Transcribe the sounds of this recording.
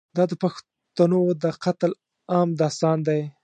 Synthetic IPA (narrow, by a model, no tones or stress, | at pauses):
d̪ɑd̪əpax | t̪anod̪əqat̪l | ɑmd̪ɑst̪ɑnd̪aj